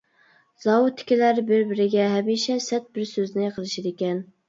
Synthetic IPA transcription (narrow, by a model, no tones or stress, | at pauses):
zɑwut̪ʰːɪ̥kʲilæɾbɪɾbɪɾɪɡʲɛɦɛmiʃɛsɛt̪̚bɪɾsøznɪjqʰəlˠɨʃɪd̪ekʲɛn